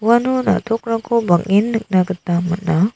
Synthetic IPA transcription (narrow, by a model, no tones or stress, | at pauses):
wanɔna̰tʰɔkɾakʰɔbaŋinːɯk̚naɡɯtamɯt̚na